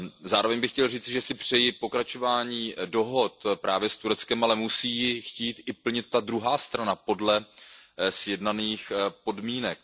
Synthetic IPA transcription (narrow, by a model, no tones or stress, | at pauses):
zaːɾo̞vɛɲbɪxcɛlriːt͡sɪʒɛsɪpr̝̥ɛjɪpo̞kɾat͡ʃo̞vaːɲiːdo̞ɦo̞t̪pɾʔaːvjɛst̪uɾɛt͡skɛmalɛmusiːjɪxciːt̪ɪpl̩ɲɪt̪ːad̪ɾuɦaːst̪ɾanapo̞dlɛ | sjɛdnaniːxpo̞dmiːnɛk̚